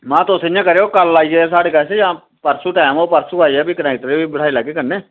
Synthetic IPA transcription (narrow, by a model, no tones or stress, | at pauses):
mãːt̪osɲãːkəɾeːoːkəlːaːiɛːs̬aːɽeːkasejãː | pəɾsuːʈɛːmoːpəɾsuːaːiɛːbiːkənãːkɪt̪ɾeːbibəɽ̤ʰaːilaːɡeːkəɾneː